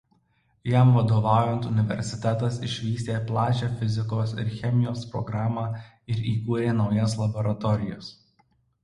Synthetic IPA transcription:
jɛˑmʋɐd̪oːʋɑˑʊjɛnt̪ʊnʲɪʋʲɛ̰ɾʲsʲɪt̪ʲæt̪ɐsɪʃʲʋʲiːsʲt̪ʲeːplˠɑːt͡ʃʲɛːfʲɪzʲɪkoːsɪ̰ɾxʲɛmʲɪjoːspɾɔ̰ɡɾɑːmɑː | ɪɾiːkuːɾʲeːnɒʊjɛslˠɐbɔɾɐt̪ɔɾʲɪjos

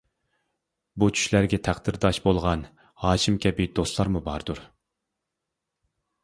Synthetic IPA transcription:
but͡ʃʰy̥ʃlæɾɡʲɛt̪ʰæχd̪̥ɨɾd̪ɑʃbolˠʁɑn | hɑːʃimkʲɛbɪd̪ost̪lˠɑɾmubɑɾd̪uɾ

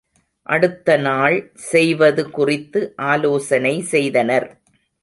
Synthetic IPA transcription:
ʔɐɽɯt̪ːɐnaːɭ | sɛjʋɐðɯkʊrɪt̪ːɯʔaːloːsɐnɐɪsɛjðɐnɐɾ

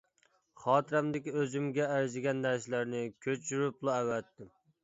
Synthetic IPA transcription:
χɑːt̪ɨɾɛmd̪ɪkʲøzymɡʲɛːɾzɪɡʲɛnːæɾsɪlæɾnɪkʲʰøt͡ʃʰyɾyplˠuæwæt̪ʰːɪm

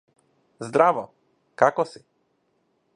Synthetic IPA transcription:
zd̪ɾavɔ | kakɔsi

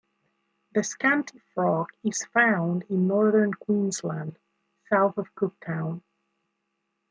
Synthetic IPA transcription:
ðɨskæ̃ntʰifɹɔkɪz̥fãʊ̃ndɪ̃nːɔɹðə̃˞nkʰw̥ĩnzlə̃nd̥ | saʊθʌv̥kʰʊk̚tʰãʊ̃n

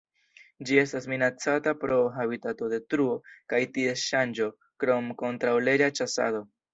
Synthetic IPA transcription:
d͡ʒie̞stasminat͡satapɾo̞ɦabitato̞de̞tɾuo̞kajtie̞ʃand͡ʒo̞ | kɾo̞mko̞ntɾawle̞ɾat͡ʃasa̰do̞

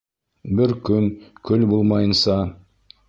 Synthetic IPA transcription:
bɪɾkʲʰɵmkʲʰɵlbolˠmɑjənsɑ

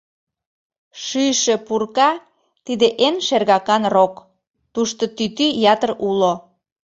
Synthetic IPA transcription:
ʃyʃepurkɑ | t̪id̪eʔenʃerɣɑkɑnrok | t̪uʃt̪ot̪yt̪yjɑt̪ərulo

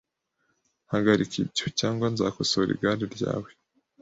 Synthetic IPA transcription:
haɡaɾikibɟo̥caːŋɡwanzakosoɾʔḭɡaːɾeɾɟa̰ːwe

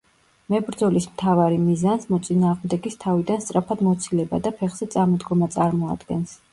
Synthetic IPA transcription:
mɛbɾd̪zɔlismt̪ʰavaɾimizansmɔt̪sʼinaːʁmd̪ɛɡist̪ʰavid̪anst̪sʼɾapʰad̪mɔt̪sʰilɛbad̪apʰɛχz̥ɛt̪sʼamɔd̪ɡɔmat̪sʼaɾmɔa̰d̪ɡɛns

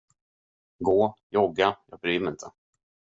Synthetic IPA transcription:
ɡoːjɔɡajɑ̰ːɡbɾyːmɾɪnt̪ʰə

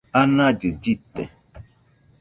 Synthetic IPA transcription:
anad͡ʒɨd͡ʒitɛ̰

